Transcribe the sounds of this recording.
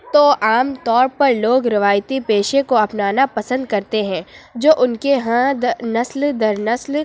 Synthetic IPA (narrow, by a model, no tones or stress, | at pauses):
t̪oʔaːmt̪ɔːɾpɐɾloːɡɾɪʋaːjt̪ipeːʃẽkoɐpnaːnapɐsə̃nd̪̚kɐɾt̪eɦɛ̃ːd͡ʒoːʔʊnkeɦãd̪nɐsld̪ɐɾnɐsl